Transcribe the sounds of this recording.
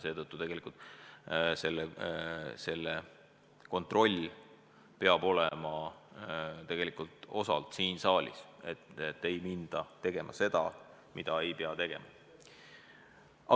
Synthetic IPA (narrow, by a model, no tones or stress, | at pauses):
se̞ːt̪ɤt̪ːˑut̪e̞ɡelikult̪ˑ | se̞lːe | se̞lːe | ko̞nt̪ro̞lʲ | pe̞ɑb̥o̞lemɑ | t̪e̞ɡ̥e̞likult̪o̞sɑ̰lt̪siːnsɑːlʲḭse̞t̪et̪ːe̞jmind̪̥ɑt̪e̞ɡ̥e̞mʔɑ̰se̞d̪̥ɑ̰ | mid̪̥ɑe̞jpeɑt̪e̞ɡ̥e̞̰mɑ | ɑ